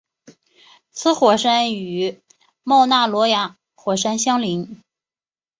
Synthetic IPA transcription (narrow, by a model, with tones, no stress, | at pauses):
t͡sʰɹ̩˥xwɔ˨˩ʂa˥ny˧˥ | mɑ˥˧ʊna˥˩lwɔ˧˥ja˧˥ | xwɔ˨˩ʂa˥nɕjɑ˥ŋli˧˥ŋ